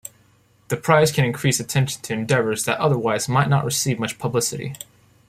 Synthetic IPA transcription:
ðɨpʰɹ̥aɪz̥kʰɨ̃ñɨ̃nkʰɹ̥isɨtʰɛ̃nʃn̩tʰɨɨ̃ndɛvə˞zðɨɾʔʌðə˞waɪzmaɪtⁿnə̰ʔ̚ɹʔɨsivmʌt͡ʃpʰəblɪsɨɾḭ

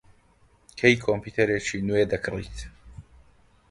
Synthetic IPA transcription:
kʰejkʰɔmpʰut̪ʰɛɾɛt͡ʃʰinuɛd̪ɐkʰlḭt̪ʰ

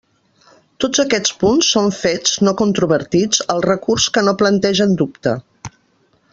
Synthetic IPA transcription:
t̪od͡zəkɛt͡spunsːoɱfed͡znokunt̪ɾuβəɾt̪id͡zəlˠrəkurskənoplənt̪ɛʒənd̪upt̪ə̰

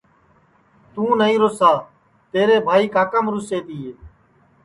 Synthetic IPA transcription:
t̪ũːnəĩːɾoːsaː | t̪eːɾeːbʱaːiːkaːkəmɾʊseːt̪iːeː

